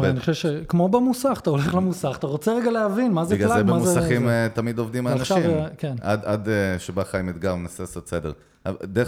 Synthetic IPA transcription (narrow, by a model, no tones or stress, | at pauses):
aniχoʃevʃekmo̞bamusaχat̪ao̞leχlemusaχḁt̪aʁot͡seʁeɡaleɦavinmazeɡalazeemamuzesaχimt̪amid̪ovd̪imaanaʃaivkenad̪ad̪eʃebaχajmit̪ɡaʁmnaseasot̪sedeʁ | a̰de